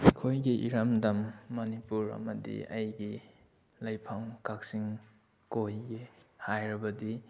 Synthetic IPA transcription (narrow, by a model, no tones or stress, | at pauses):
kʰojɡiʔiɾɐmdɐmːɐnipuɾɐ̰mɐdḭɐ̰jɡi | lɐjpʰaŋkak̚siŋ | kojɡehajɾɐbɐdi